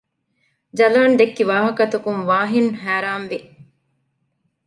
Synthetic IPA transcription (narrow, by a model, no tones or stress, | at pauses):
d͡ʒɐlaːnd̪ekːiʋaːɦɐkɐt̪ɐkuŋʋaːɦinɦæːɾaːnʋi